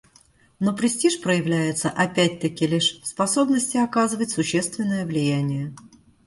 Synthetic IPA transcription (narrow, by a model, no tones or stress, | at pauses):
nopɾʲɪsʲtʲiʂpɾəjɪvlʲæjɪt̪səʔɐpʲæt̚ʲt̪əkʲɪlʲɪʂspɐso̞bnəsʲtʲɪɐkazɨvətʲsʊɕːe̞st̪vʲɪnːəjəvlʲɪjænʲɪjə